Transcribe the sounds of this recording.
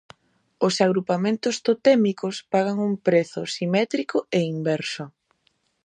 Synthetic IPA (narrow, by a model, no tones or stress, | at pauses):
osaɣɾupamẽnt̪ʊst̪ot̪ɛmikospaɣaŋumpɾeθʊ̰simɛt̪ɾikʊeimbɛɾsʊ